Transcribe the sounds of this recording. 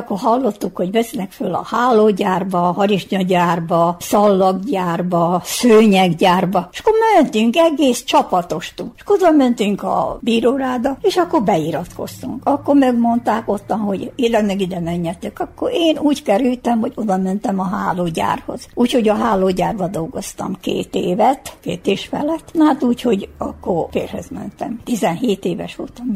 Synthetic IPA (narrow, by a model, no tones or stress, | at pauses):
kːorɦɒlːo̞t̪ːukho̞ɟʋɛslɛkfølːɒ̰haːlːoːɟaːrbɒhɒɾiʃɲɒɟaːrbɒsɒlːɒɡɟaːrbɒsøːɲɛɡɟaːrbɒeʃɒ̥kːoɾmɛnt̪yŋkɛɡeːst͡ʃɒpɒt̪oʃt̪ulʃkood̪ɒmɛnt̪yŋkɒ̰biːɾoːraːd̪ɒeːʃɒkːo̞rbɛiɾɒt̪ko̰st̪uŋkɒkːoɾmɛɡmo̞nt̪aːko̞t̪ːɒnho̞ɟeːlɛɡnɛɡid̪ɛmɛɲːɛt̪ːøkɒkːoɾeːnuːckɛɾylt̪ɛmho̞ɟod̪ɒmɛnt̪ɛmɒɦa̰ːloːɟa̰ːrho̞̰z̥uːcho̞ɟɒɦaːloːɟaːrbɒd̪o̞lɡost̪ɒ̰mkḛːt̪eːvɛt̪kḛːt̪eːʃfɛ̰lɛt̪nɒɦat̪uːcho̞ɟɒkːorfḛːrhø̰zmɛ̰nt̪ɛ̰mt̪izɛnɦeːt̪eːvɛ̰ʃʋo̰lt̪ɒm